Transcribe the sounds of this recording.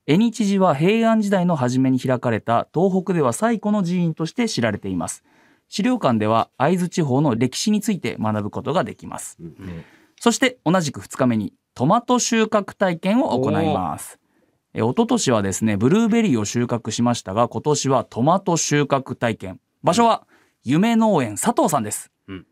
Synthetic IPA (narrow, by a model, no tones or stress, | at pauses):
e̞ɲ̟it͡ɕiʑiβaɦe̞ːãɲ̟d͡ʑid̪aino̞ɦaʑime̞ɲ̟içiɾakaɾe̞t̪at̪o̞ːɦo̞kɯ̟d̪e̞β̞asaiko̞no̞ʑiĩnt̪o̞ɕi̥t̪e̞ɕiɾaɾe̞t̪e̞ima̰sɨ̥ | ɕiɾʲo̞ːkãnd̪e̞β̞aːizɨt͡ɕiɦo̞ːno̞ɾʲe̞kʲi̥ɕiɲ̟it͡sɨit̪e̞̰manabɯ̟ko̞t̪o̞ɡad̪e̞kʲima̰sɨ̥ | so̞ɕi̥t̪e̞o̞naʑikɯ̟̥ɸɯ̟̥t͡sɨ̥kame̞ɲ̟i | t̪o̞mat̪o̞ɕɨːkakɯ̟̥t̪aikẽɰ̃o̞ʔoko̞na̰ima̰sɨ̥ | ḛo̞t̪o̞t̪o̞ɕiβ̞ad̪e̞sɨne̞bɯ̟ɾɯːbe̞ɾʲiːo̞ɕɨːkakɯ̟ɕimaɕi̥t̪aɡako̞t̪o̞ɕiβat̪ʰo̞mat̪o̞ɕɨːkakɯ̟̥t̪aikẽ̞m | baɕo̞βa | jɯ̟me̞no̞ːẽ̞ɰ̃sat̪o̞ːsãnd̪e̞sɨ̥